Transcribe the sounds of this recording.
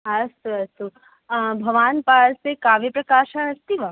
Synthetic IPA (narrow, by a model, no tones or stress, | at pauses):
ɦɐst̪uəst̪u | bʱəʋaːnpaɾsekaʋipɾɐkaʃaɦəst̪iʋa